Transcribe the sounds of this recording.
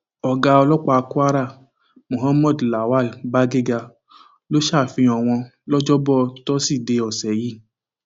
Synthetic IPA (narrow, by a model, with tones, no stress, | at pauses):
ɔ˨ɡa˧ɔ˧lɔ˦k͡pa˧ku˦a˦ɾa˦˨ | mõ˨ɦa˦mɔ˦˨dla˨wa˦˨ba˦ɡe˦ɡa˧ | lo˦ʃa˦˨fĩ˧ɔ˨w̃ɔ̃˧lɔ˦d͡ʒɔ˦bɔ˦˨tɔ˦si˦˨de˧ɔ˨sɛ˨˦ji˦˨